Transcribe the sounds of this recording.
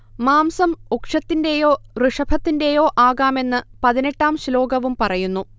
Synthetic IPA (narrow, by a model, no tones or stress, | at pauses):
maːmsɐmukʂɐt̪ːinde̞jo̞ːrɨʂɐbʱɐt̪ːinde̞jo̞ːʔaːɣaːme̞nːɨpɐðine̞ʈːaːmɕlo̞ːɡɐʋumpɐrɐjunːu